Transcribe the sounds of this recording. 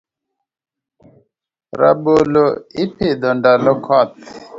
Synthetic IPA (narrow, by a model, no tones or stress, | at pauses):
ɾa̰ɓolɔipʰid̪ɔndalɔkʰɔt̪